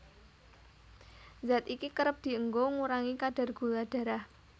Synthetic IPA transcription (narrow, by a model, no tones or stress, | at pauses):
zat̪ikikəɾəp̚d̪̥i̤əŋɡoŋuɾaŋikaɖ̥a̤rɡ̥ulaɖ̥ä̤ɾah